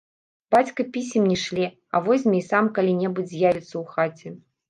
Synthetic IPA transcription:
b̥at͡sʲkɐpʲisʲimnʲɛʂlʲi | ɐ̰vɔsʲmʲɛjsamkɐlʲinʲɛbud͡zʲzʲjavʲɛt̪sːɐwxat͡sʲɛ

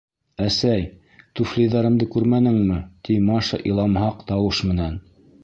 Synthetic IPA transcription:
æsæj | t̪uflʲijðɑɾɤ̆md̪ɤkʉɾmænɘ̆ŋmɘt̪imɑʃɤ̰ʔilˠɑmɦɑqt̪ɑwɤʃmɘ̆næn

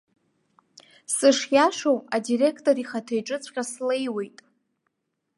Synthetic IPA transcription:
sɨʂjaʂowadire̞kʰtʼoɾiχatʰejʈ͡ʂʼɨt͡sʷʰqʲʼasle̞jwe̞jtʼ

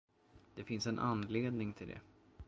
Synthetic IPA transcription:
d̪̥ɛfɪnsɛnʔanːleːd̪nɪŋt̪ʰɪld̪ɛ̰

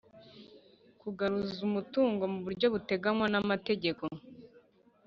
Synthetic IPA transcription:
kuɡaɾuzumutuːŋɡo̞muβuɾɟo̞βute̞ɡanwanamate̞ɟe̞ko

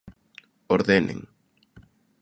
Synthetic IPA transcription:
oɾðenḛŋ

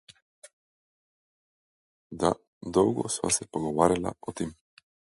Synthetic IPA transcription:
d̪a | d̪ɔwɡɔ̰sva̰sɛpoɡɔvaɾila̰ɔt̪im

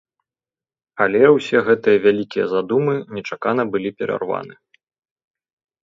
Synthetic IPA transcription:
alʲɛwsʲɛɣɛt̪ɨjɐvʲalʲikʲijɐ̰zad̪umɨnʲɛt͡ʂakan̪ɐbɨlʲipʲɛɾa̰rva̰nɨ

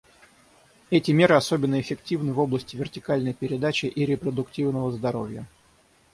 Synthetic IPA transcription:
ɛtʲɪmʲe̞ɾɨɐso̞bʲɪnːəɪfʲɪktʲivnɨvo̞blˠəsʲtʲɪvʲɪrtʲɪkalʲnəjpʲɪɾʲɪd̪at͡ɕɪʔiɾʲɪpɾəd̪ʊktʲivnəvəzd̪ɐɾovʲjə̰

